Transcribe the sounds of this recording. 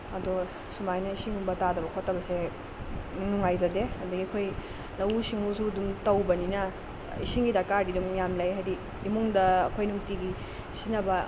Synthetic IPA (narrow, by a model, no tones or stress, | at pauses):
ɐdɔ | sumajnɐisiŋuŋbɐtadɐbɐkʰotːɐbɐse | nuŋajzɐdehɐdɐɡiɐkʰoj | lɐwsiŋusudumtɐwbɐninɐ | isiŋɡidakaɾdidumjamlɐjɦajdi | imuŋdɐːkʰojnuŋtiɡi | sinɐbɐ